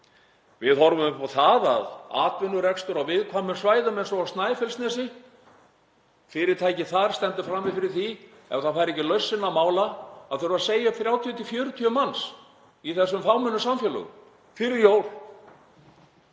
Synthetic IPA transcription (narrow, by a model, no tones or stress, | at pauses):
vɪðhɔɾvʏmpʰɔθaða̰ða̰ːt̪vɪnːʏɾɛkst̪ʏɾawvɪðkʰvaːmʏsvaːjðʏmejnsɔawst̪naːjfɛlst̪nɛːsɪ | fɪɾɪɾ̥t̪ʰaːjcɪθaɾ̥st̪ɛnt̪ʏfɾamːvɪðfɪɾɪɾ̥θi | ɛ̰mθafajɾɛcːɪlœɥsːɪnːamaːwlaaðθœɾvaɾseːjaʏpθɾjaːwt̪ʰiʏt̪ʰɪlfjœːɾʏt̪ʰiʏmans | iθɛsːʏmfawmʏnːʏsamfjɛlʏ̰ɣʏ̰ | fɪɾɪɾjoːwl̥